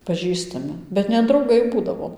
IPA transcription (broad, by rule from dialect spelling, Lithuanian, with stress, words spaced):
pɐˈʒʲiːstɐmʲɪ bʲɛt nʲɛ drɐʊˈɡɐɪ ˈbuːdɐʋoː